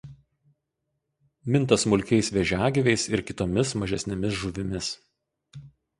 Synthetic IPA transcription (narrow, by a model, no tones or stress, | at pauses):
mʲɪnt̪ɐsmʊlʲkʲɛɪsʋʲɛʒʲæːɡʲɪʋʲɛɪsɪɾkʲɪt̪oːmʲɪsmɐʒʲɛsʲnʲɛmʲɪs̬ʒʊʋʲɪmʲɪs